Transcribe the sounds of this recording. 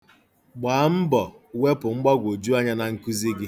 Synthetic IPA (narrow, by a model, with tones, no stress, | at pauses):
ɡ͡baː˨˦m̩˦bɔ˨ | we˦pʊ˨ŋ͡m̩˦ɡ͡ba˦ɡʷo˨d͡ʒu˦a˦ɲa˦na˨ŋ̩˦ku˦zi˦ɡɪ˦